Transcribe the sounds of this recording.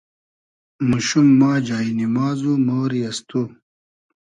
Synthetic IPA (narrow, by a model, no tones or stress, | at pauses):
muɕumːaːd͡ʑaːinimaːzumoːɾiɐst̪u